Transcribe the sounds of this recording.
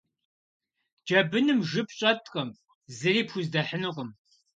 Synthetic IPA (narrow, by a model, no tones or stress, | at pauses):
d͡ʒɐbɨnɨmʒɨpʰɕʼɐtʼqʼɐm | zɨriːpʰxʷuzdɐħənɨqʷəm